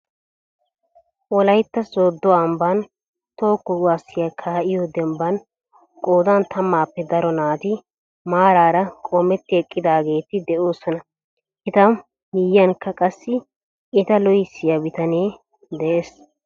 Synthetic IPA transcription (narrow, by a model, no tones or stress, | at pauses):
ʔɔlɐjt̪ːɐsoːd̪ːɔɐmban | t̪o̞ːkːɔɡwaːsːɪjakʰaːʔɪjɔd̪ɛmbɐn | kʼoːd̪ant̪ʰɐmːaːpːɛd̪ɐɾɔnaːt̪ɪ | maːɾaːɾɐkʼomɛt̪ːɪɛkʼːɪd̪aːɡe̞ːt̪ɪd̪ɛoːsɔnɐ | ʔɪt̪ɐ | mɪjːɐnkːɐkʼɐsːɪ | ɪt̪ɐlɔjɪsːɪjɐbɪt̪ɐneː | d̪ɛʔeːs